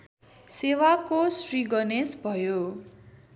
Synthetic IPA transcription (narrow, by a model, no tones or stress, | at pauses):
sewakosriɡʌnesbʱʌjo